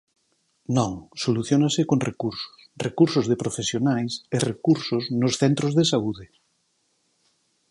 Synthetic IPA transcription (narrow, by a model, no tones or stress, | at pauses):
nõŋsoluθjonasɪkoŋrekuɾso̥srekuɾsʊzðepɾofesjonajserekuɾsosnosθɛnt̪ɾozðesauðɪ